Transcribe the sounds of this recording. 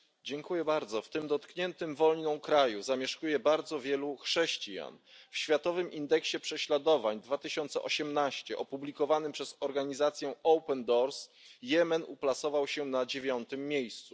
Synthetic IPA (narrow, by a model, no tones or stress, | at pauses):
d͡ʑɛŋkujɛbaɾd̪zɔft̪ɘmd̪ɔt̪kɲɛnt̪ɘmvɔlɲnɔ̃w̃kɾajuzamʲjɛʂkujɛbaɾd̪zɔvʲjɛluxʂɛɕt͡ɕija̰nfɕfʲjat̪ɔvɘmʔind̪ɛkɕɛpʂɛɕlad̪ɔvaɲd̪vat̪ɘɕɔnt̪sɛ̰ʔɔɕɛmnaɕt͡ɕɛʔɔpublʲikɔvanɘmpʂɛzɔɾɡaɲizat̪sʲjɛɔwpɛnd̪ɔɾsjɛmɛnuplat̪sɔvawɕɛnad͡ʑevʲjɔnt̪ɘmːjejst̪su